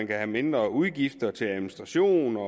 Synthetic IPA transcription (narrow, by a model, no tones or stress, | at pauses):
ænkʰæhæme̝nd̥ʁɐuð̞ˠɡ̥ifd̥ɐt͡sʰe̝læðˠminisd̥ʁɑɕo̝̰ːnɒ